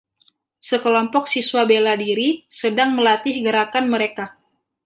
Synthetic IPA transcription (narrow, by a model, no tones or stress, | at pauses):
səkəlɔmpɔk̚siswabeladiɾisədaŋməlat̪ɪhɡəɾakanməɾeka